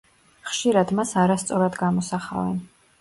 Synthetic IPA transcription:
χʃiɾad̪masaɾast̪sʼɔɾad̪ɡamɔsaχa̰vɛn

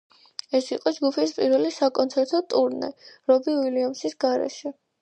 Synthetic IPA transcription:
ɛsiqʼɔd͡ʒɡupʰispʼiɾvɛlisakʼɔnt̪sʰɛɾt̪ʰɔt̪ʼuɾnɛ̰ɾɔbiwiliamsisɡ̥aɾɛ̰ʃɛ

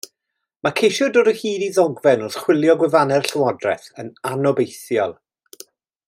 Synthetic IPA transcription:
makʰejʃjɔdʊdəhiːdiðɔɡvɛnɔrχw̥ɪlˠjɔɡwɛvanɛrɬəwɔdrɛ̰θənanɔbejθjɔlˠ

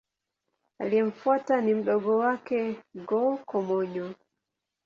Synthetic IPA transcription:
aliɛɱ̩fwatanim̩ɗɔɡɔwakɛɡɔkɔmɔɲɔ

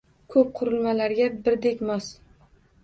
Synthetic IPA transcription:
kʰɵp̚qʰʊɾɪlmalaɾɡʲabɪɾd̪ekʲmɒs

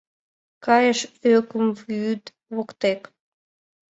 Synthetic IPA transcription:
kɑjəʃøkəmvyt̪ | βokt̪ek

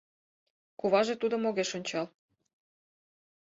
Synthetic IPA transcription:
kuβɑʒet̪ud̪omoɣeʃonʲt͡ɕɑl

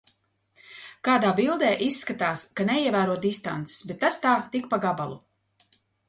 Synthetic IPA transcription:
kaːd̪aːbilˠd̪eːʔisːkat̪aːskanɛiɛvæːɾuɔt̪̚d̪ist̪a̰nt̪se̥sbɛt̪ːast̪aːt̪ikpaɡabalˠu

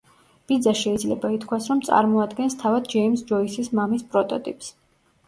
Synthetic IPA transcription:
b̥id̪zaʃɛid̪zlɛbait̪ʰkʰwasɾɔmt̪sʼa̰ɾmɔad̪ɡɛnst̪ʰavad̪̚d͡ʒɛimsd͡ʒɔisismamispʼɾɔt̪ʼɔt̪ʼḭpʼs

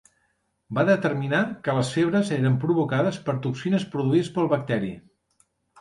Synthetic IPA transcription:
baðət̪ərminakələsfeβ̞ɾəzeɾəmpɾuβukaðəspəɾt̪uksinəspɾuðuiðəspəlˠβək̚t̪ɛɾḭ

